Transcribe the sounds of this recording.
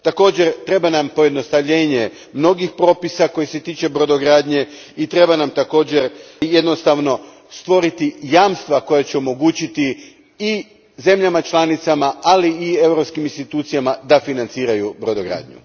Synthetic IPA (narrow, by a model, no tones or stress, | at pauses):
t̪ako̞ːd͡ʑe̞ɾt̪ɾe̞banampo̞je̞d̪no̞st̪aʋʎeːɲe̞ | mno̞ɡixpɾo̞ːpisako̞jese̞t̪iːt͡ʃe̞bɾo̞d̪o̞ɡɾaːd̪ɲe̞ | it̪ɾe̞banamt̪ako̞ːd͡ʑe̞ɾje̞d̪no̞st̪aʋno̞ | st̪ʋo̞ɾit̪ijaːmst̪ʋako̞jat͡ɕeo̞mo̞ɡuːt͡ɕit̪i | i | ze̞mʎamat͡ʃlˠanit̪samaaliːe̞wɾo̞pskiminst̪it̪uːt̪sijamad̪afinant̪siːɾajubɾo̞d̪oɡɾa̰ːd̪ɲṵ